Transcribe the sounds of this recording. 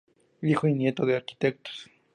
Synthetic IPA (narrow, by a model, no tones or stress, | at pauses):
d̪ixoinje̞t̪oðeaɾki̥t̪ek̚t̪o̥s